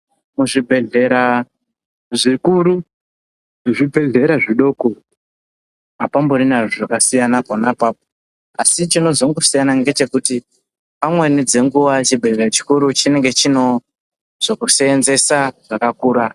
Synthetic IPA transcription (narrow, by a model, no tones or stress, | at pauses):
muʐibʱe̞ɮe̞ɾa | ʐikuɾu | ʐibʱe̞ɮe̞ɾaʐiɗo̞ːko | apamburinaʐoʐakasijanaponapapo | asit͡ʃino̞zoŋɡosijanaŋɡe̞t͡ʃe̞kuti | pamwe̞nid͡ze̞ŋɡuʋat͡ʃibʱe̞ɮerat͡ʃi̥kuɾut͡ʃine̞ŋɡe̞t͡ʃino̞ | z̥okuseːnze̞saʐ̥akakuːɾa